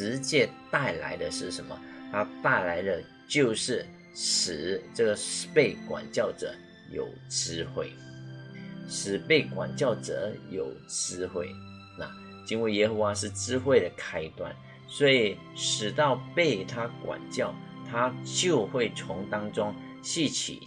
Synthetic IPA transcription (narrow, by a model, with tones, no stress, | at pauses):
ɻ̩˧˥t͡ɕjɛ˥˧t̪a˥˩ɪla̰˧˥ɪd̪ə˧ʂɻ̩˥˩ʂə˧˥nmə̰˧t̪ʰa˥t̪a˥˩ɪla˧˥ɪd̪ə˧ | t͡ɕjo˥˧ʊʂɻ̩˥˩ | ʂ̩˨˩ʈ͡ʂɤ˥˩ɡə˩ʂ̩˧pe˥˩ɪkwa̰˨˩nt͡ɕjɑ˥˩ʊʈ͡ʂɤ̰˨˩˦ | jo̰˨˩ʊʈ͡ʂɻ̩˥xwe˥˩ɪ | ʂɻ̩˨˩pe˥˩ɪkwa̰˨˩nt͡ɕjɑ˥˩ʊʈ͡ʂɤ̰˨˩˦jo˨˩ʊʈ͡ʂɻ̩˥xwe˥˩ɪ | na̰˥˧ | t͡ɕi˥nwe˥˩jɛ˥xə˧˥xwa˧˦ʂɻ̩˥˩ʈ͡ʂɻ̩˥xwe˥˩ɪd̪ə˩kʰa˥ɪt̪wa̰˥˩n | swɔ˧˥i˨˩ | ʂɻ̩˨˩t̪ɑ˥˩ʊpe˥˩ɪt̪ʰa˥kwa̰˨˩nt͡ɕjɑ˥˩ʊ | t̪ʰa˥t͡ɕjo˥˧ʊxwe˥˩ɪt͡sʰʊ˧˥ŋt̪ɑ˥ŋʈ͡ʂʊ˥ŋ | ɕi˥˩t͡ɕʰḭ˨˩